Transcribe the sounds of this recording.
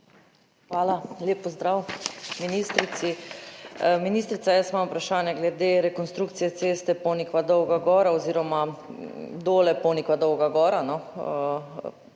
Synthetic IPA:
xʋaːlalʲjeːpːɔzd̪ɾawminiːst̪ɾit̪si | miniːst̪ɾit̪sajəsmamupɾaʃaːnjɛɡlɛd̪eːɾɛkɔnst̪ɾuːkt̪sijɛt̪seːst̪ɛponikʋad̪ɔwɡaɡɔːɾaɔziːɾɔma | d̪oːlɛpɔnikʋad̪ɔwɡaɡɔːɾanɔ

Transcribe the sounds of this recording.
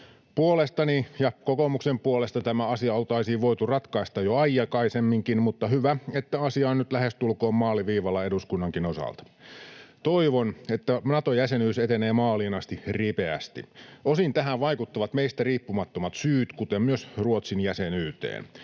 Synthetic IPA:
puolest̪ɑnijɑkokomuksempuole̞st̪ɑt̪æmæɑsiɑolt̪ɑisiːʋʋo̞jt̪urɑt̪kɑist̪ɑjoɑjjɑkɑisemːiŋkinmut̪ːɑhyʋæet̪ːæɑsiɑːnnyt̪læhest̪ulko̞ːmmɑːliʋiːʋɑlːɑe̞duskunːɑŋkino̞sɑ̰lt̪ɑ̥t̪o̞iʋonet̪ːænɑt̪ojæsenyːset̪eneːmɑːliːnɑst̪iripeæ̰st̪ḭosint̪æɦæʋʋɑikut̪ːɑʋɑt̪meist̪æriːpːumɑt̪ːomɑt̪syːt̪kut̪emmyøsruot̪sinjæsenyːt̪ḛːn

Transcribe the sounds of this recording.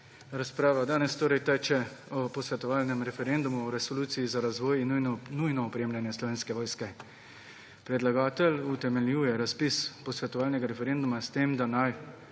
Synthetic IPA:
ɾaspɾaːʋad̪aːnɛst̪oːɾɛjt̪ɛːt͡ʃɛɔpɔsʋɛt̪ɔʋaːlnɛmɾɛfɛɾend̪umuɔɾɛsɔluːt̪sijizaɾazʋɔːjinujnɔːpɾeːmlʲjanjɛslɔʋeːnskɛʋɔːjskɛ | pɾɛd̪laɡaːt̪ɛlut̪ɛmɛljuːjɛɾaspispɔsʋɛt̪ɔʋaːlnɛɡaɾɛfɛɾend̪umast̪emd̪anaj

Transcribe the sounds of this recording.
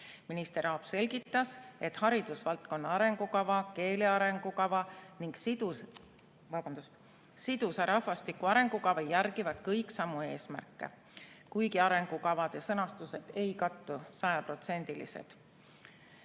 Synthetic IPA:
minist̪eɾɑːb̥se̞lʲɡit̪ːˑɑse̞t̪ːˑhɑɾid̪̥usvɑlt̪̚ko̞nːɑɑɾe̞ŋɡ̥ukɑvɑke̞ːleɑɾe̞ŋɡ̥ukɑvɑniŋɡ̥sd̪ | vɑb̥ɑnd̪̥ust̪ | sid̪̥usɑɾɑhfɑst̪ikːuɑɾe̞ŋɡ̥ukɑvɑjærɡ̥ivɑd̪̥kɤjksɑmːue̞ːsmæ̰rkːe̞̰ | kujɡiɑɾe̞ŋɡ̥ukɑvɑd̪̥ɑsɤnɑst̪use̞d̪̥e̞jkɑt̪ːusɑjɑpro̞t̪se̞nʲd̪̥ilḭse̞̰d̪̥

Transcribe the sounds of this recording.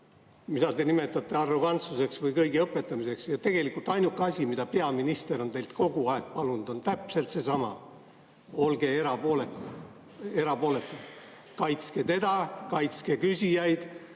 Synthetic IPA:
mid̪ɑt̪e̞nime̞t̪ːˑɑt̪ˑːe̞ɑrːo̞ɡ̥ɑnt̪suse̞ksvɤjkɤjɡiɤpːˑe̞t̪ːˑɑmise̞ksjɑt̪e̞ɡ̥e̞likːˑult̪ɑjnukːɑsʲimid̪ɑpe̞ɑminist̪e̞ɾo̞nt̪e̞jlt̪ko̞ɡ̥uɑek̚pɑlunud̪̥o̞nt̪æpse̞lt̪se̞sɑmɑ̰ | o̞lɡ̥e̞eɾɑoleku | eɾɑpo̞ːle̞t̪ːˑu | kɑjt̪ske̞t̪e̞d̪̥ɑkɑjt̪ske̞kysʲijɑjd̪̥

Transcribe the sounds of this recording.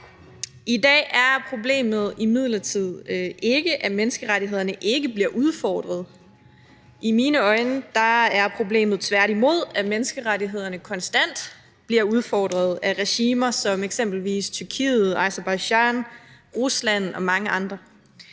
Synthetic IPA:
id̥ɛ̰ːʔæɐpʰʁo̝ble̝̰ːmð̩ˠimið̞̰ˠlɐt͡sʰið̞̰ˠe̝ɡ̥əʔæmenəsɡ̥əʁaɾiɦe̝ð̞̰ˠɐnəʔe̝ɡ̥əb̥liɐʔuð̞ˠfɒːd̥ʁɐð̞̩ˠ | ʔimiːnəɒ̽ɪnəd̥ɑ̈æɐpʰʁo̝ble̝̰ːmð̞̩ˠt͡sʰʋæɐɾimo̝ð̞̰ˠæmenəsɡ̥əʁaɾiɦe̝ð̞̰ˠɐnəkʰɒ̽nsd̥æn̰d̥ | b̥liɐuð̞ˠfɒːd̥ʁɐð̞̩ˠæʁɛɕiːmɐsɒ̽meɡ̥sem̰b̥l̩ʋḭːst͡sʰyɐkʰḭːð̩ˠɑ̈ɪsɐb̥ɑ̈ɪɕɑn | ʁuslænɒ̽mɑ̈ŋəʔɑ̈nd̥ʁɐ

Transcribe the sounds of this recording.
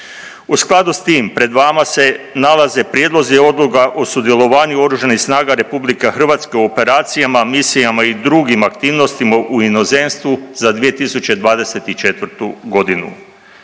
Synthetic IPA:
usklˠad̪ust̪iːmpɾe̞d̪ʋaːmase̞nalaze̞pɾjeːd̪lˠo̞zieo̞d̪lˠukaʔosud̪je̞lo̞ʋaːɲuo̞ɾuːʒanixsnaːɡaɾe̞publikexr̩ʋaːt̪skeuope̞ɾaːt̪sijamamisijamaid̪ɾuɡimakt̪iːʋno̞st̪imaʔuino̞zenst̪ʋuzad̪ʋije̞t̪isut͡ɕe̞d̪ʋaːd̪e̞se̞t̪it͡ʃe̞t̪ʋɾt̪uɡo̞d̪inṵ

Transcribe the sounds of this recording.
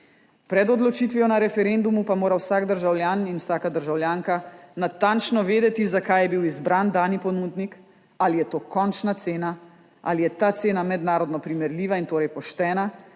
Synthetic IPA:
pɾɛd̪ɔd̪lɔt͡ʃiːt̪ʋiɔnaɾɛfɛɾend̪umupamoːɾawsaːɡd̪əɾʒawljaːninwsaːkad̪əɾʒawljaːŋkanat̪ant͡ʃnɔʋeːd̪ɛt̪izakajɛbiwizbɾand̪aːnipɔnud̪nik | alijɛt̪oːkɔnt͡ʃnat̪seːna | a̰lijɛt̪aːt̪seːnamɛd̪naːɾɔd̪nɔpɾimɛɾliːʋaint̪oːɾɛjpɔʃt̪ɛːna

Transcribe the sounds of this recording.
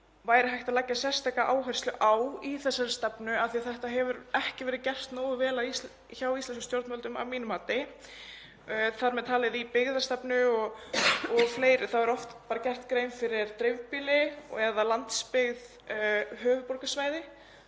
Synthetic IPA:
vaːjɾɪɦajht̪aðlaːcːasjɛr̥st̪ʰaːkaʔaːwɦajr̥st̪lʏʔaːwiθɛsːaɾɪ̥st̪ɛpnʏaθiaθɛht̪aɦɛvʏɾɛhcɪvɛːɾɪcɛr̥t̪noːwɣɪvɛːlai | çawist̪ɛns̬kʏst̪jowɾt̪mœlt̪ʏma̰vmiːnʏmaːt̪ɪ | θaɾmɛðt̪ʰaːlɪðipɪɣðḁst̪ɛpnʏɔɣɔɣfleːjɾʏθawɛɾɔft̪paːɾacɛr̥t̪kɾeːjnfɪɾɪɾ̥t̪ɾɪvpiːlɪɛðalant̪spɪɣð | ɦœːvʏpɔɾkasvaːjðɪ

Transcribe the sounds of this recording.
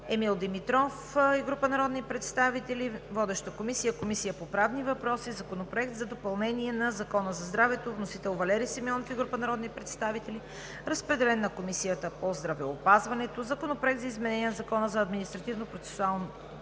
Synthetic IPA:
ɛmilˠd̪imit̪ɾɔf | ɛɡɾupənɐɾɔd̪nipɾɛt̪st̪avit̪ɛlivɔd̪ɛʃt̪əkomisijəkomisijəpopɾavnivɐpɾɔsizɐkonopɾoɛk̚t̪zɐd̪opɐlˠnɛniɛnɐzɐkɔnəzɐzd̪ɾavɛt̪ovnosit̪ɛlˠvɐlɛɾisɛmɔnofiɡɾupənɐɾɔd̪nipɾɛt̪st̪avit̪ɛli | ɾəspɾɛd̪ɛlɛnːɐkomisijət̪əpozd̪ɾɐvɛopazvɐnɛt̪ozɐkonopɾoɛk̪̚zɐizmɛnɛnʲiənɐzɐkɔnəzɐːd̪minist̪ɾɐt̪ivnopɾot̪sɛ̥sʊalˠno

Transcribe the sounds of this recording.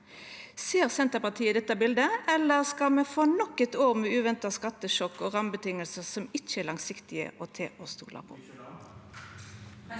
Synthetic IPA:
seːʁsɛnt̪əʁpɑt̪ʰiːəd̪ɛt̪ːɑbɪld̪əɛlːəʁskɑlmɛfɔnɔkːɛt̪oːʁmeːʉːʋɛnt̪ɑskɑt̪ːəʃɔkːoːʁɑmbət̪ʰɪŋəlsəsɔmɪt͡ʃːəɛːlɑŋsɪkt̪ɪə̰ʔoːt̪ʰḛːʔost̪ṵːlʔɑ̰pʰo̰ː

